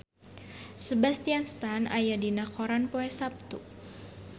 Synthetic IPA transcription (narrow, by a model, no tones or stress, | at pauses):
səbast̪ianst̪ana̰jadinakʰɔɾanpoɛsap̚t̪u